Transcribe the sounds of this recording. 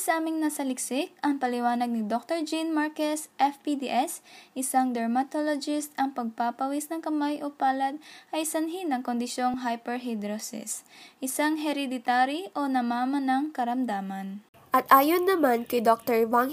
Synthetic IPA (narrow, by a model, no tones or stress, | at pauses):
sɐʔaːmɪŋnɐsɐlɪksɪk̚ɐŋpɐlɪwaːnɐɡ̚nɪd̪ok̚t̪oɹd͡ʒinmaɹkɛsʔɛfpid̪iʔɛsʔɪsaŋd̪ɛɹmɐt̪olod͡ʒɪst̪ɐŋpɐɡ̚papɐwisnɐŋkɐmajʔopaːlɐd̪̚ʔɐjsɐnɦɪnɐŋkond̪ɪʃjo̞ŋɦajpɛɹɦad̪ɾosɪ̰sʔɪsaŋɦɛɾɛd̪ɪt̪aːɾiʔo̞nɐmaːmɐnɐŋkɐɾɐmd̪aːmɐn | ʔɐt̪ʔaːjonːɐmankɐjd̪ok̚t̪ɛɹvaŋ